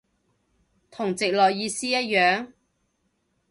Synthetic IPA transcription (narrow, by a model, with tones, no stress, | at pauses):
t̪ʰʊ˨˩ŋt͡sɪ˨k̚lɔː˨jjiː˧siː˥jɐ˥t̚jœː˨˥ŋ